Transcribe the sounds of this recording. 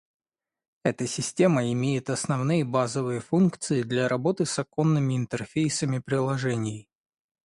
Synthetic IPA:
ɛt̪əsʲɪsʲtʲe̞məɪmʲejɪt̪ɐsnɐvnɨjəbazəvɨjəfunkt̪sɨɪd̪lʲaɾɐbo̞t̪ɨsɐko̞nːɨmʲɪɪnt̪ərfʲejsəmʲɪpɾʲɪlˠɐʐɛnʲɪj

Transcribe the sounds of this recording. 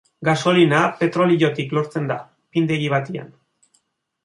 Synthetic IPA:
ɡaso̞linape̞t̪ɾo̞liʎo̞t̪iklo̞ɾt͡se̞nd̪a | pind̪e̞ɣiβ̞at̪ia̰n

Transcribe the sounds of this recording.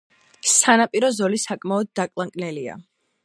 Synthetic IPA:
sanapʼiɾɔzɔlisakʼmaɔd̪̚ːakʼlˠaŋkʼnɛlia̰

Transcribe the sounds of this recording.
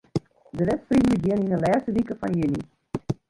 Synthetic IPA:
dəvɛtfridələkjiəninəlɛːstəʋikəfɑ̰njəni

